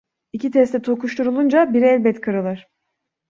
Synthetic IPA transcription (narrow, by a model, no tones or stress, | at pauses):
icit̪ʰɛst̪ɛt̪ʰokuʃt̪ʰuɾulˠund͡ʒabiɾɛlʲbɛt̪kʰaɾɯlˠɯɾ̥